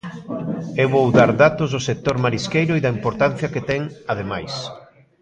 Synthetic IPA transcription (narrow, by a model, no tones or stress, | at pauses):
eβowðaɾðat̪ozðʊsek̚t̪oɾmaɾiskejɾʊiðɐimpoɾt̪an̟θjɐket̪ɛŋaðemajs